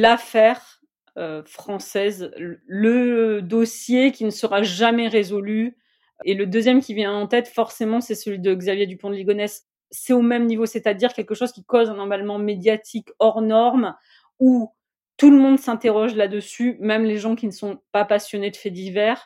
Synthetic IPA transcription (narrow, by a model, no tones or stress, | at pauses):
lafɛʁ | øfχɑ̃sɛzləd̪ɔsjekʲinəsəʁaʒamɛʁezɔly | eləd̪øzjɛmkʲivjɛ̃ɑ̃t̪ɛt̪fɔʁsemɑ̃sɛsəlɥid̪əɡzavjed̪ypɔ̃d̪əliɡɔnɛsː | ɛomɛmnivosɛt̪ad̪iʁkʲɛlkəʃozkʲikozɛ̃nɔʁmalmɑ̃med̪jat̪ʰikɔʁnɔʁm | u | t̪uləmɔ̃d̪sɛ̃t̪eʁɔʒlad̪əsymɛmleʒɑ̃kʲinəsɔ̃papasjɔned̪əfɛd̪ivɛʁ